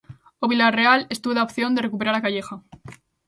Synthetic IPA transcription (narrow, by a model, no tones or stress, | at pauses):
oβilare̞ale̞st̪uβoðaopθjo̞nd̪e̞re̞kup̬e̞ɾaɾakaʝe̞xa